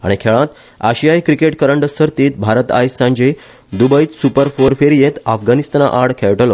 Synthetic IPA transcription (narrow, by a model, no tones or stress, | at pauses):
a̰ɽ̃ikʰeɭãt̪ | aɕijajkɾikeʈkəɾəɳɖəsəɾt̪iːt̪bʱaɾət̪a̰jsːãɲd͡ʑe | d̪ubəjt̪supəɾfoɾfeɾjet̪afɡanist̪ana̰ʔaɽkʰeɭʈəlɔ